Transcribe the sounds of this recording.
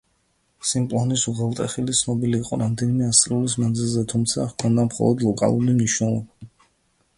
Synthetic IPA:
simpʼlˠɔnisuʁɛlˠt̪ʼɛχilit̪sʰnɔbiliːqʼɔɾamd̪ɛnimɛast̪ʼɾiulismanzilˠzɛt̪ʰumt̪sʰakʰɔnd̪amχɔ̰lˠɔd̪lˠɔkʼa̰lˠuɾimniʃnɛlˠɔba

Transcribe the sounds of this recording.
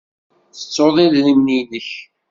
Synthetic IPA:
θə̥t͡sːoðˤiðɾimninəç

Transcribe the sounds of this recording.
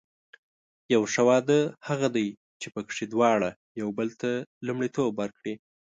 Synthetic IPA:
jawʂawɑd̪əhaɣad̪aj | t͡ʃepəkʂid̪wɑɽa | jawbəlt̪alumɽit̪obwəɾkɽi

